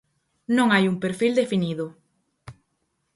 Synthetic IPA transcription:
nõŋajuŋpeɾfild̪efiniðʊ

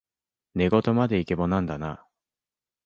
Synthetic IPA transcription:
ne̞ɡo̞t̪o̞mad̪e̞ike̞bonãnd̪ana̰

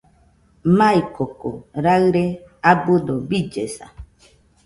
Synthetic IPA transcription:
maikoko̰ɾaɯɾeabɨd̪obid͡ʒesa̰

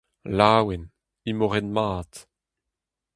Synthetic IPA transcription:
laːwɛn | imoʁɛnmaːt

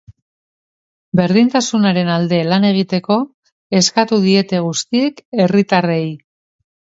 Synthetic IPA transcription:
be̞ɾðint̪asunaɾe̞nald̪e̞lane̞ɣ̞it̪e̞ko̞ | e̞skat̪uðie̞t̪e̞ɣ̞ust̪ie̞ke̞rit̪arej

